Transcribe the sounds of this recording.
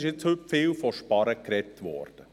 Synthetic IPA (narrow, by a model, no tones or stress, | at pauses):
ɪʃjet͡shʏpfɪːlfɔʃpɑɾəkɾɛtːʋɔ̰ːrd̥ə